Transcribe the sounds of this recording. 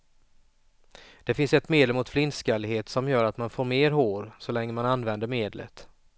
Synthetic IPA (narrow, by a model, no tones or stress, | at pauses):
d̪̥ɛfɪnsɛt̪meːd̪lɛmʊt̪flɪnskalɦeːt̪sɔmjœːɾat̪manfoːɾmeːɾɦoːɾsɔlɛŋːəmananːvɛnd̪əɾmeːd̪lə̰t̪